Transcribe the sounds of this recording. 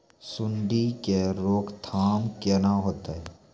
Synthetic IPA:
sʊɳɖikeɾoːkʰt̪ʰaːmkeːnaɦoːt̪aɦɛː

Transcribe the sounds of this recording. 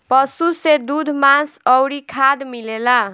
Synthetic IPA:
pʌsused̪ud̪ʱmãsʌwɾikʰad̪milela

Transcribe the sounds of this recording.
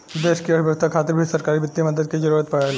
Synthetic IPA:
d̪eːʃkiɐibjək̚t̪ʰakʰaːt̪ɪɾbʱisɐɾkaːɾibɪt̪ːimɐd̪əd̪̚ked͡ʒɐɾuːɾət̪̚pɐɽale

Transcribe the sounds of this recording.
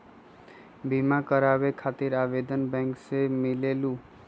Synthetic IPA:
bimakəɾabekʰat̪iɾabed̪ənbɛ̃ŋksemilelu

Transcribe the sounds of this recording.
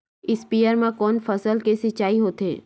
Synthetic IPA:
ɪspijəɾmẽkɔːnfɐsəlkesɪt͡ʃaːiɦoːt̪ɦḛː

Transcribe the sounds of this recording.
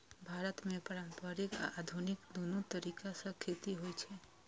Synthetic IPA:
bʱaːɾət̪mẽpəɾãmpəɾɪkad̪ʱunɪkd̪ʱunut̪əɾikasə̃kʰet̪iɦojt͡ʃʰɛ

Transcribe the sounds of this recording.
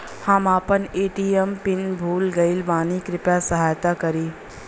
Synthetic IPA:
hɐmaːpəneːʈiːɛmpɪnbʱuːlɡɐɪlbaːnikɾɪpjasəɦaːjt̪akɐɾiː

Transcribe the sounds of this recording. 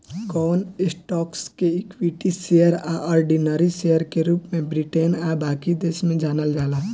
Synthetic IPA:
kɔːnɪsʈɔːkskeɪkwiʈisejəɾa̰ʔɔːɾɖinəɾisejəɾkeɾuːpmẽbɾiʈeːnabaːkid̪eːsmẽd͡ʒaːnəld͡ʒaːlaː

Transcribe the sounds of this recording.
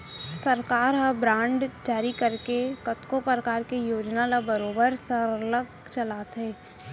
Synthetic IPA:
səɾkaːɾɦabɾãːɳɖd͡ʒaːɾikəɾkekət̪kopɾəkaːɾkejoːd͡ʒnalabəɾoːbəɾsəɾlək | t͡ʃəlaːt̪ɦɛː

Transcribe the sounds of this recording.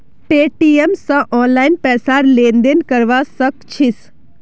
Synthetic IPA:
ʈeːʈiemsãʔɔ̃ːnlaːɪnpɛːsaːɾlẽːnd̪enkəɾʋasəkt͡ʃʰis

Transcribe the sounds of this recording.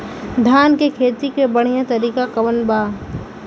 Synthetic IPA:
d̪ʱaːnkekʰeːt̪ikebɐɽ̤ijãt̪ɐɾiːkakɐʋənbaː

